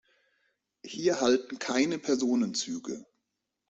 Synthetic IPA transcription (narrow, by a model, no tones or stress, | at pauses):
hiːɐɦaltn̩kʰaɪnəpʰɛɐzoːnənt͡syːɡə̰